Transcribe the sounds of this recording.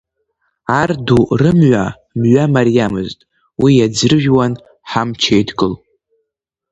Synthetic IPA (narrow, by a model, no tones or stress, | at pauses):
ardurɨmʕʷa | mɥʷamaɾijamɨztʼ | wijad͡zrɨʒᶣwan | ħamt͡ʃʰejdɡʼɨl